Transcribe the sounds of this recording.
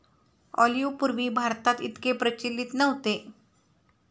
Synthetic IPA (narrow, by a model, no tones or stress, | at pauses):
ɔ̰ljupuɾʋiːbʱaɾt̪at̪it̪kepɾət͡ɕilːit̪nəɦot̪e